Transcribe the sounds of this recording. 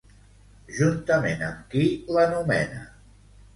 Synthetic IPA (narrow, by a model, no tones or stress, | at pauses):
ʒunt̪əmenəmkilənumɛnə̰